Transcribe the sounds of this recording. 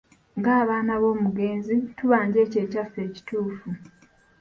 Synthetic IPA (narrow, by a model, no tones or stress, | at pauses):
ŋɡaːβaːnaβo̞ːmuɡe̞ːnzituβaːɲɟe̞ːce̞ːcafe̞ːci̥tuːfu